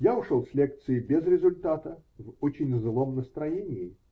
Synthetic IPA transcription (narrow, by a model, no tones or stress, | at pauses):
jaʊʂolˠsʲlʲe̞k̚t̪sɨɪbʲezɾʲɪzʊlʲt̪at̪əvot͡ɕɪnʲzɨlˠo̞mnəst̪ɾɐjenʲɪɪ